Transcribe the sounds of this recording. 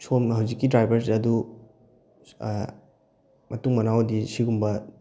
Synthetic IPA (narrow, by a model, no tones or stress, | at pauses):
somhɐwzikːidɾajbɐɾsɐdu | mɐtuŋmɐnawdisiɡumbɐ